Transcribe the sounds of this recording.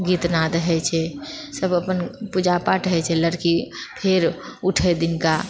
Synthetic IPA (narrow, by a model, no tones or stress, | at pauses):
ɡit̪naɾəɦɛt͡ʃʰɛsəbəpənpud͡ʒapaʈəɦɛt͡ʃʰɛləɾkipʰeɾuʈʰed̪ɪnka